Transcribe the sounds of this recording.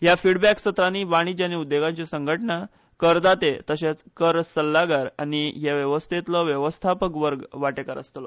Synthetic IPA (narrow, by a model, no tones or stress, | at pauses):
ɦjafiɽbæksət̪ɾaniʋaɽ̃id͡ʑaniud̪ːeɡãɲt͡ɕesəŋɡʱəʈɳa | kəɾd̪at̪et̪əɕet͡skəɾsəlːaɡaɾa̰niɦeʋjəʋəst̪ʰet̪ləʋjəʋəst̪ʰapəkʋəɾɡʋaʈekaɾə̰st̪lɔ